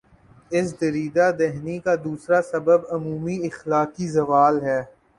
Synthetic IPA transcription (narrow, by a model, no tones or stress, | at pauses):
ɪs̬d̪ɐɾiːd̪ad̪ɛɦnikad̪uːsɾasɐbəbɐmuːmiɪxlaːkizɐʋaːlɦɛː